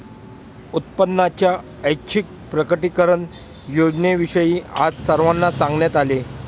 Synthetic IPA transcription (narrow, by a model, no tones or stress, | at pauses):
ut̪̚pənːat͡ɕja | əjkɕʰik̚pɾəkəʈikəɾəɳ | jod͡ʑneʋiʂəjiːad͡zsəɾʋanːasãŋɡɳjat̪ale